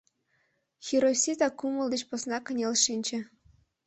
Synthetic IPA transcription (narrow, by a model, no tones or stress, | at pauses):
xʲiɾosʲit̪ɑkumɤ̆lˠd̪ĕt͡ɕposnɑkə̆nʲelʲʃinʲt͡ɕĕ